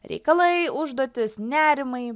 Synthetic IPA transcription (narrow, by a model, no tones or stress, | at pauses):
ɾʲɛ̰ɪkɐlˠɐɪʊʒd̪oːt̪ʲɪsnʲæːɾʲɪmɐɪ